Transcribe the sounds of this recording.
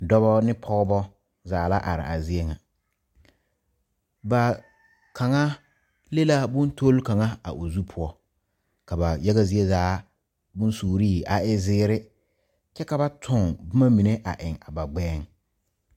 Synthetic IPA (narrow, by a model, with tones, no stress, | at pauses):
dɔ˦bɔ˦nɪ˦pʰɔ˦ɣbɔ˦ | zaː˨la˦ʔa̰˨ɾɪ̰˨ʔa˨zi˦e˦ŋa˨ | ba˨ | ka˨ŋa˦ | le˦la˦bʊ̃˦n˦tʰo˦lka˨ŋa˦a̰˨ʔo˨zu˦pʰʊ˦ɔ˦ | ka˨ba˨jɛ˦ɣa˦zi˦e˦zaː˨˦ | bʊ˦n˦suː˨ɾiː˦˨a˨ɪ˦zɪː˦ɾɪ˦ | t͡ʃɛ˦ka˨ba˦tʰʊ˨ŋbʊ˦ma˦mi˨ne˦ʔa̰˨ʔɪ˨ŋa˨ba˨ɡ͡bɛː˦ŋ